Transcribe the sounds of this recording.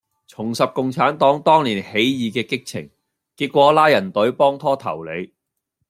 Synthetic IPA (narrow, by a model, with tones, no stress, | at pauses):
t͡sʰʊ˨˩ŋsɐ˨p̚kʊ˨ŋt͡sʰaː˨˥nt̪ɔː˨˥ŋt̪ɔː˥ŋliː˨˩nhe˨˥jjiː˨˧kɛː˧kɪ˥k̚t͡sʰɪ̰˨˩ŋ | kiː˧t̚kʷɔː˨˥laː˥jɐ˨˩nt̪ɵ˨˥ɥpɔː˥ŋt̪ʰɔː˥t̪ʰɐ˨˩wle˨˧j